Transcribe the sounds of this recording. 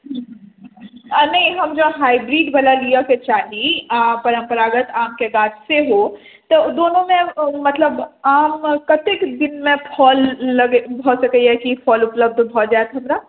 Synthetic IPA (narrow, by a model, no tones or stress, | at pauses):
ɦ | nɐɦĩɦɐmd͡ʒoɦaːibɾiːɖbəlalijaket͡ʃaːɦipɐɾə̃mpəɾaːɡət̪aːmkeɡaːtseɦo | t̪ɔd̪oːnõmẽmɐt̪ləbaːmkɐt̪ekd̪ɪnmẽpʰɔːlːɐɡbʱoːsɐkəiɛkipʰɔːlʊpləb̚d̪ʱbʱɔːd͡ʒaːet̪ɦɐmɾaː